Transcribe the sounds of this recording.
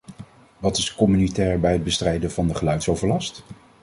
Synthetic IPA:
ʋɑtɪskɔmynitɛːɹbɛjɦəd̚bəstrɛjdəvɑndəχəlœɥtsowvəɹlɑst

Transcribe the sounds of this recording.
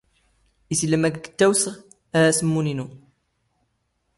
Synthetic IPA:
isilːəmæɡɡə̥t̪ːæwsəʁ | ææsəmːuninu

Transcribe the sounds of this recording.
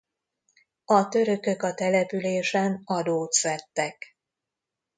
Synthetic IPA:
ɒt̪ø̞ɾø̞kø̞kɒt̪ɛlɛpyleːʃɛnɒd̪oːt̪sɛt̪ːɛk

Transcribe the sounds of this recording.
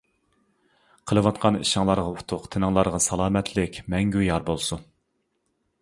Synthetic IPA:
qʰəlˠɨwɑt̪̚qʰɑnḭʃɑŋlˠɑɾʁɑu̥t̪ʰʊqt̪ʰenɨŋlˠɑɾʁɑsɑlˠɑːmɛt̪ʰlɪkʲmɛŋɡʲyjɑɾbolˠsu

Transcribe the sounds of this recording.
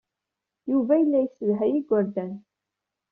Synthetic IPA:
juvæjəlːæjisəðɦæjiɡʷʊɾd̪æn

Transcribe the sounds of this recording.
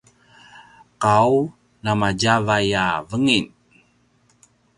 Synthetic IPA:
qaw | namaɟavajavəŋin

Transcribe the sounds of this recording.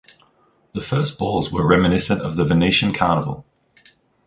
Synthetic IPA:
ðəfɜˑsb̥ɔːlˠzwəɹɛmɪnɪsə̃ntə̰vðəvəniɪʃə̃nkʰaʊnəvə̰lˠ

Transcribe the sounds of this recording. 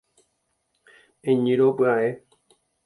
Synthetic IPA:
ẽɲĩɾopɨae

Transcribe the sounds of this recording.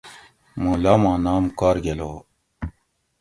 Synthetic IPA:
molaːmãːnaːmkaːɾɡelo

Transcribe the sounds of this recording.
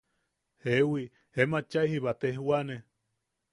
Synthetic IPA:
hewi | hemat͡ʃaihiβat̪ehwane

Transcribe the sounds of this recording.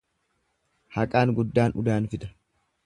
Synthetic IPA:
hɐkʼaːŋɡʊd̪ːaːnʊ̰d̪aːnfɪd̪ɾɐ̥

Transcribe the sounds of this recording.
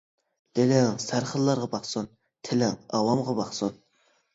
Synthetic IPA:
d̪̥elɪŋsæɾχəlˠːɑɾʁɑbɑχsun | t̪ʰɪlɪŋɑwɑmʁɑbɑχsun

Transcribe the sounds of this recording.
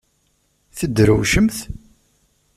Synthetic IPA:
θəd̪ːɾəwʃəmθ

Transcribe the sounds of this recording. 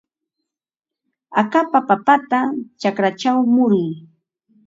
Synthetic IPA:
akapapapat̪at͡ʃakɾat͡ʃawmʊɾɪj

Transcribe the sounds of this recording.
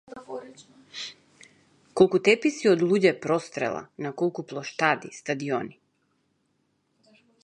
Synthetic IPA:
kɔlˠkut̪ɛpisiɔd̪lˠuɟɛpɾɔst̪ɾɛ̰lˠa̰nakɔlˠkuplˠɔʃt̪ad̪ist̪ad̪iɔni

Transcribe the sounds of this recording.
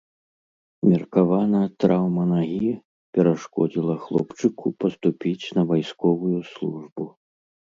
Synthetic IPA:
mʲɛrkavanɐt̪ɾawmɐnaɣʲi | pʲɛɾaʂkɔd͡zʲilˠɐxlˠɔpt͡ʂɨkʰupɐst̪upʲit͡sʲnɐvajskɔvujuslˠuʐbu

